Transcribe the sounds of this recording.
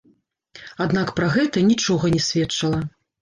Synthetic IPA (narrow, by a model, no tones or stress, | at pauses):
ad̪nakpɾaɣɛt̪ɐnʲit͡ʂɔɣɐnʲɛsʲvʲɛtt͡ʂɐlˠɐ